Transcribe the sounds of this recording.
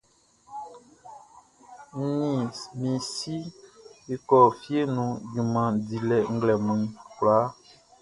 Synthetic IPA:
m˦nĩ˨mĩ˨si˦e˨kɔ˨fi˦e˦nũ˨ɡĩ˨mã˨di˨lɛ˨ŋ̩˦ɡlɛ˨mũ˨ĩ˦klaː˨˦

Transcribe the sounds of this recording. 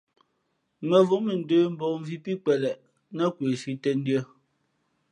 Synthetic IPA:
mɛ˨vu˨˦mə˨n̩˨dəː˦m̩˨bɔ˨m˦vi˦pi˦k͡pɛ˨lɛ˨ʔ | nɛ˦˨kwe˨ʃi˦tɛ˦n̩˦djə˦

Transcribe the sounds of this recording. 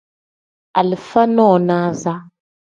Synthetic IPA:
a̰˨lɨ˨fa˦nɔː˦˨naː˦za˦

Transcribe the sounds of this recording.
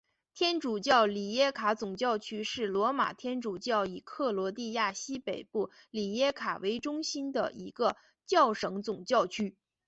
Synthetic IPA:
t̪ʰjɛ˥nʈ͡ʂu˨˩t͡ɕjɑ˥˩ʊli˨˩jɛ˥kʰa˧˥t͡sʊ˨˩ŋt͡ɕjɑ˥˩ʊt͡ɕʰy˥ʂɻ̩˥˩lwɔ˧˥ma̰˨˩t̪ʰjɛ˥nʈ͡ʂu˨˩t͡ɕjɑ˥˩ʊi˨˩kʰɤ˥˩lwɔ˧˥t̪i˥˧ja˥˩ɕi˥pe˨˩ɪpu˥˩ | li˨˩jɛ˥kʰa˨˩we˧˥ɪʈ͡ʂʊ˥ŋɕi˥nd̪ə̰˨ʔi˧˥ɡə˧ | t͡ɕjɑ˥˩ʊʂɤ˧˥ŋt͡sʊ˨˩ŋt͡ɕjɑ˥˩ʊt͡ɕʰy˥

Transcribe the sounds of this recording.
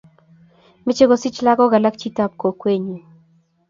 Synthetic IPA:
mɪ˦t͡ʃe˦ɡo˦si˦t͡ʃla˦ɡɔ˦ɡa˨la˦kt͡ʃi˦ta˦p̚ko˨kwe˦ɲe˨

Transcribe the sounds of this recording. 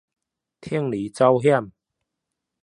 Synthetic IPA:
t̪ʰi˥˩əŋli˨˦t͡sa˦wɦja˥˨m

